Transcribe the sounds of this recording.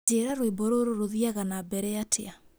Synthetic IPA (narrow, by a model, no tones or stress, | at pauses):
eɾaɾoeboɾoɾoɾoðiaɣanabɛɾɛatʰea